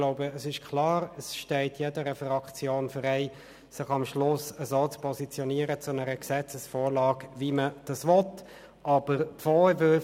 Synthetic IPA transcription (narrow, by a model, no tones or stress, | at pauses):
loʊbəːsɪʃkʰlɑːɾəsʃtɛɪtjɛdəɾəfrɑkt͡sjoːnfəɾɛɪ | sɪχɑmʃlʊsəzoːt͡spʰɔsit͡sjɔniəɾət͡sʊnɛɾəksɛt͡səsfoːɾlɑːkviməd̥ɑsvɔt | ʔɑb̥əɾfɔːvʏ